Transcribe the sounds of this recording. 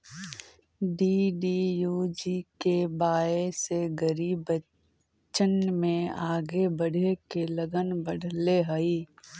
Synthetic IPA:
ɖiːɖiːjuːd͡ʒikebaːeseɡəɾiːbə | t͡ʃənmẽaːɡebəɽ̤ʱekeləɡənbəɽʱleɦəiː

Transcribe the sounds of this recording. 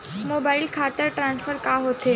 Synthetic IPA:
mobailkʰat̪əɾʈɾãnsfəɾkaɦot̪ʰe

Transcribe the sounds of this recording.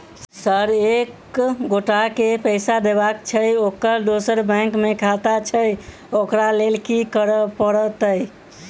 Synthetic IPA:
səɾek | ɡoʈakepəɪsad̪ebakt͡ʃʰəjokːəɾd̪osəɾbə̃ŋkmekʰat̪at͡ʃʰəj | okɾalelkikəɾəpəɾət̪əj

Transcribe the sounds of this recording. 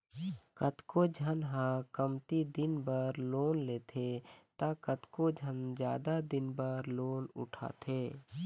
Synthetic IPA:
kət̪kod͡ʒʱənɦãkəmt̪id̪ɪnbəɾloːnleːt̪ʰet̪akət̪kod͡ʒʱənd͡ʒjaːd̪ad̪ɪnbəɾloːnʊ̰ʈʰa̰ːt̪ʰeː

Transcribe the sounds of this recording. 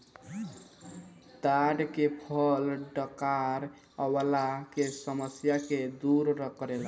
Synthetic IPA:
d̪̥aɖkepʰəlɖəkaɾ | əwəlakesəməsjaked̪uɾɾəkɾela

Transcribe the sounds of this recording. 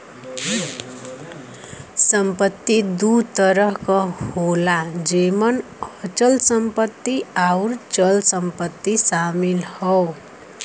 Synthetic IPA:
sʌmpʌt̪ːid̪ut̪ʌɾʌɦkʌholad͡zemʌn | ʌt͡ʃʌlsʌmpʌt̪ːiawɾt͡sʌlsʌmpʌt̪ːisamilhʌw

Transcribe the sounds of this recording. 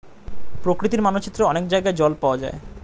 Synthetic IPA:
pɾokɾit̪iɾmanot͡ɕit̪ːɾoɔnekd͡ʑajɡaed͡ʑɔlpaoad͡ʑa̰e

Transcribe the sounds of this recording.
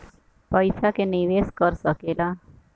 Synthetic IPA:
pəjsakeniʋeskəɾsəkela

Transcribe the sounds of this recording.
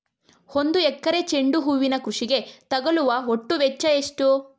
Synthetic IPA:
ho̞nd̪uɛkːɐɾe̞t͡ʃe̞ɳɖuɦuːʋinɐkɾuʂiɡe̞t̪ɐɡɐluʋɐɦoʈːuʋɛt͡ʃːɐeʂʈu

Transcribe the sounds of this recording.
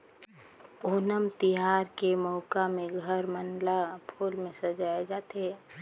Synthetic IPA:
oːnəmt̪ɪɦaːɾkemɔʊkamẽɡʱəɾmənlapʰoːlmẽsəd͡ʒaːed͡ʒaːt̪ɦɛ

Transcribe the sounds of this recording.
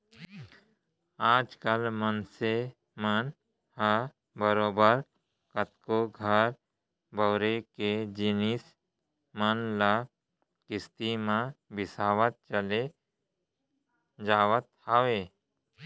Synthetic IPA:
aːd͡ʒkəlmənse | mən | ha | bəɾoːbəɾ | kət̪koɡʱəɾ | bʱəwɾeked͡ʒɪnis | mənla | kɪst̪imãbɪsaːwət̪̚t͡ʃəle | d͡ʒaːwət̪haːʋe

